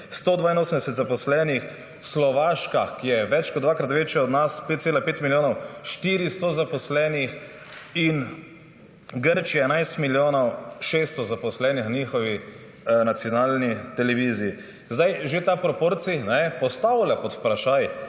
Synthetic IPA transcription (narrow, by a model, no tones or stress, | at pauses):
st̪oːd̪ʋaːinoːsəmd̪ɛsɛt̪zapɔslɛnix | slɔʋaːʃkakijɛʋɛt͡ʃkɔt̪d̪ʋaːkɾat̪ʋet͡ʃjɛɔd̪naspeːt̪̚seːlapeːt̪miljoːnɔwʃt̪iːɾist̪ozapɔslɛːnix | in | ɡəɾt͡ʃiaɛnajst̪miljoːnɔwʃest̪ɔzapɔslɛːnixniːxɔʋi | nat̪sijɔnaːlnit̪ɛlɛʋiːziː | zd̪ajʒet̪apɾɔpoɾt̪sinɛpɔst̪awlʲapɔt̪pɾaʃaj